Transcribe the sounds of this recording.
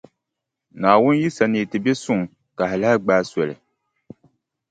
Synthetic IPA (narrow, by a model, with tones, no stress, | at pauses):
naː˨wʊ˦n˦ji˦sa˨nɨː˨tɨ˨be˦sʊ˦ŋ˨ | ka˨ha˨la˦ɡ͡baː˦sɛ˨lɨ̰˨